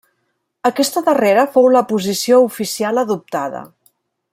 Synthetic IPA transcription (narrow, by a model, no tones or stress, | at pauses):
əkɛst̪əðəreɾəfowləpuzisioufisialəðup̚t̪aðə̰